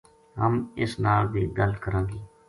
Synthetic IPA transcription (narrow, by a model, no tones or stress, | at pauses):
ɦəmɪsnaːlbʱiːɡəlkəɾãːɡeː